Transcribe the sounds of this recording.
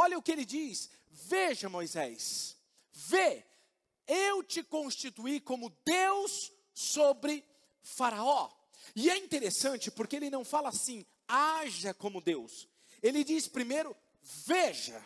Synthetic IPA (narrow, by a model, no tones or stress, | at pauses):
ɔʎɐʊkɪelɪd͡ʒis | veʒɐmojzɛs | ve | ewt͡ʃɪkõst͡ʃit̪uikõmʊd̪ews | obɾɪ | faɾaɔ | ɪɛĩnt̪eɾesɐ̃nt͡ʃɪpoɾkeelɪnɐ̃w̃falɐasĩ | aʒɐkõmʊd̪ews | elɪd͡ʒispɾimejɾʊ | veʒɐ̰